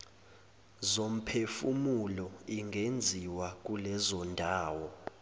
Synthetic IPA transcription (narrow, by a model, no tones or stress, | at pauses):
zom̩pʰefumulɔiŋɡʱend͡zʱiwak̬ʼulɛzɔndʱaːwɔ